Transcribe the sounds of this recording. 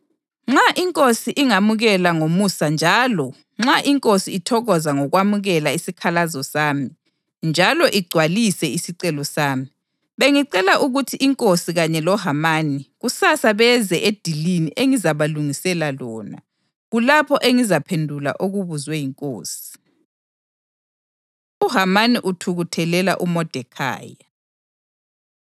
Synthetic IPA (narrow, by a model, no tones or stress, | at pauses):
ŋ͡ǁaʔiŋkʼosiʔiŋamuɣɛlaŋomusand͡ʒʱaːlɔ | ŋ͡ǁaʔiŋkʼosiitʰɔɣɔzaŋɔɣwamuɣɛlaisikʰalazɔsaːmi | nd͡ʒʱalɔʔiɡ͡ǀʱwalisɛisiǀɛlɔsaːmi | βeŋiǀɛlaʔuɣutʰiʔiŋkʼosiɣaɲɛlɔɦamaːniɣusasaβɛzɛʔed̥ʱiliniʔeŋizaβaluŋisɛlalɔːna̰ | ɣulapʰɔʔeŋizapʰendʱula̰ʔoɣuβuzwɛjiŋkʼo̰ːsi̥ | uɦamaniʔutʰuɣutʰɛlɛla̰ʔumɔd̥ʱɛkʰa̰ːja